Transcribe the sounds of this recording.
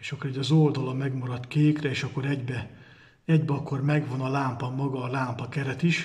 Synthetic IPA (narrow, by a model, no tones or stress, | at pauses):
eʃɒkːoɾɛɟɒzold̪ɒlɒmɛɡmɒɾɒt̪keːkrɛeːʃɒkːo̞ɾɛɟbɛ | ɛɟbɒkːo̞rmɛɡʋonɒlaːmpɒmɒɡɒːlaːmpɒkɛɾɛt̪iʃ